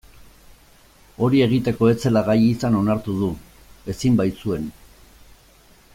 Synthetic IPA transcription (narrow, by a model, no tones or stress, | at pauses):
o̞ɾie̞ɣ̞it̪e̞ko̞e̞t͡se̞laɣajisano̞naɾt̪uð̞u | e̞simbaj̪t͡sue̞n